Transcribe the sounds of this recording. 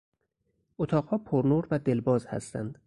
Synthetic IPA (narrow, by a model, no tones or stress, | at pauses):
ʔot̪ʰɒːɢhɒːpʰoɾnoɾvæd̪e̞lbɒːzhæ̰st̪æ̰nd̪̥